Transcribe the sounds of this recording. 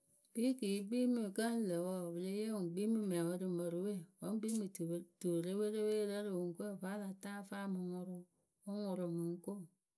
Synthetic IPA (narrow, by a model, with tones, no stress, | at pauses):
b̥i˦ki˨˦ɡ͡bi˦mi˨kə˦n˦lə˨wɔ˦˨bɨ˨le˦je˦u˨ŋ˨ɡ͡bi˦mi˦me˨wo˦ɾi˨mə˨ɾu˦we˦˨wo˦ɡ͡bi˦mi˨tu˨ɾe˦we˦ɾe˦we˦ɾə˦ɾi˨wu˨ŋ˦ke˦˨fa˦la˨ta˦fa˦mɨ˨ŋu˨ɾu˦ | wo˦ŋu˨ɾu˨mɨ˨ŋ˦ko˦˨